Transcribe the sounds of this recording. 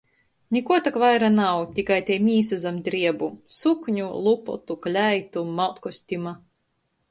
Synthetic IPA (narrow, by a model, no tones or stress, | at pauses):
nʲikuɔt̪akvajɾanawt̪ʲikajt̪ʲɛjmʲiːsazamd̪ɾiɛbusukɲulˠupɔ̰t̪uklʲæjt̪umawt̪kɔsʲt̪ʲima